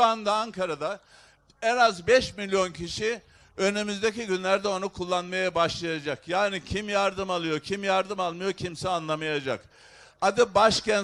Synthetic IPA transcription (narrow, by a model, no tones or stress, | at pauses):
and̪aːŋkʰaɾad̪a | ɛnazbɛʃmilʲːjo̞ncʰiʃi | ønymyzd̪eciɟynlʲæɾd̪ɛo̞nukʰulˠːanmajabaʃlˠajad͡ʒakjaːnicʰimjaɾd̪ɯmalˠɯjo̞cʰimjaɾd̪ɯmalˠmɯjo̞cʰimsɛanlˠamajad͡ʒa̰k | ad̪ibaʃcæn